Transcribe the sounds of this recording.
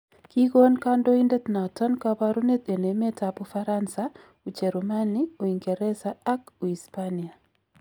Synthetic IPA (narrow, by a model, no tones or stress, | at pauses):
kiɣonkandoindɛt̪natɔnkabaɾunet̪enemetapufaɾansa | ut͡ʃɛɾumanioiŋɡɛɾɛsaakuispania